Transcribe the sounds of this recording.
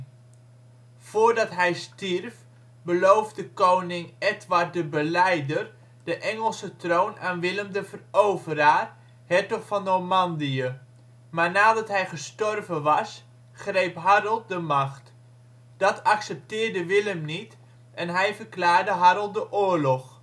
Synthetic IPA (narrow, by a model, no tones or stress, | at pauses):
foːɹdɑtɦɛjstirf | bəlowvdəkownɪŋɛtʋart̚dəbəlɛjdər | dəʔɛŋəlˠsətrownʔaːnʋɪləmdəvərowvəraːr | hɛɹtɔχfɑnɔmɑndiə | maːɹnaːdɑtɦɛjχəstɔrvəʋɑs | χrejpɦaɾəlˠdəmɑχt | d̥ɑtʰɑksɛp̚tɪːrdəʋɪləmnit | ʔɛnɦɛjvərklaːɹdəɦaɾəlˠdəʔʊːɹlɔχ